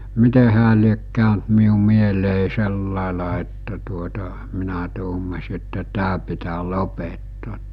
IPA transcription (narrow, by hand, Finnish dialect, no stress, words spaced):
mite hæː liek kæˑønt miu mieleˑi selːɑˑelɑ etːæ tuotɑ minæ tuːmɑsi etːæ tæː pitæː lopetːoːt